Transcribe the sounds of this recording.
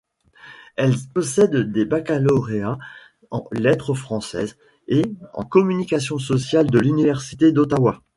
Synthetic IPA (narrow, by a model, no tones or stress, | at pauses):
ɛlpɔsɛd̪ːebakalɔʁea | ɑ̰̃lɛt̪χəfχɑ̃sɛ̰ːz | eɑ̰̃kɔmynikʲasjɔ̃s̬ɔsjald̪əlynivɛʁsi̥t̪ed̪ot̪awa